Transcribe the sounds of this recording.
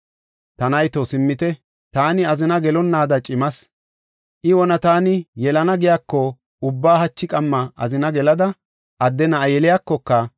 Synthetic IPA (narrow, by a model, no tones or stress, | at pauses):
t̪ɐnɐjt̪ɔsɪmːɪt̪ɛ | t̪aːnɪɐzɪnɐɡɛlɔnːaːd̪ɐt͡ʃʼɪmɐs | ʔɪwɔnɐt̪aːnɪjɛlɐnɐɡɪjaːkːɔ | ʊbːaːɦɐt͡ʃːɪkʼɐmːɐʔɐ̰zɪnɐɡɛlɐd̪ɐ | ʔɐd̪ːɛnɐjɛlɪjaːkːɔkːɐ